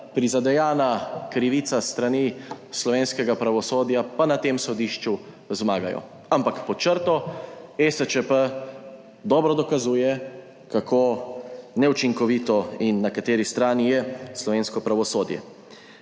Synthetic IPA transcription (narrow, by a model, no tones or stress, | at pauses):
pɾizad̪ɛjaːnakɾiʋiːt̪sast̪ɾanislɔʋeːnskɛɡapɾaʋɔsoːd̪japanat̪eːmsɔd̪iːʃt͡ʃu | zmaːɡajɔ̰ | ampakpɔt͡ʃəɾt̪ɔɛsət͡ʃəpə | d̪ɔːbɾɔd̪ɔkazuːjɛ | kakʰoːnɛut͡ʃiŋkɔʋiːt̪ɔinːakat̪eːɾist̪ɾaːnijɛslɔʋeːnskɔpɾaʋɔsoːd̪jɛ̰